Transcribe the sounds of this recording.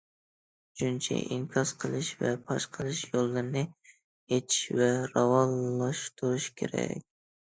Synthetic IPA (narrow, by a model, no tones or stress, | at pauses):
ʃt͡ʃunt͡ʃʰɛ̰ʔimkʲʰɑsqʰəlˠɨʃvɛ̰pʰɑʃqʰəlˠɨʃjolˠːɨɾnɨ | et̪ʰi̥ʃvɛɾɑwɑlːɑʃt̪ʰuɾuʃkʲʰḛɾɛ̰k̚ʲ